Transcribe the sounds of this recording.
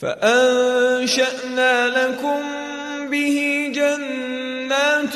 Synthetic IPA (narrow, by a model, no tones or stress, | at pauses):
fa̰ʔanʃaʔnaːlakʊm | bɪhid͡ʒanː | aːt̪